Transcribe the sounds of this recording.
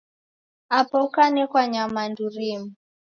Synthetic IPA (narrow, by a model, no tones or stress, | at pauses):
apɔkanɛkwaɲamanduɾimu